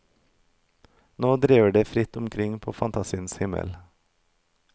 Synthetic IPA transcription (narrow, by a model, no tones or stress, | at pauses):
noːd̪ɾiːʋəɖeːfɾɪt̪ʊmkʰɾɪŋpʰoːfɑnt̪ʰɑsinshɪmə̰l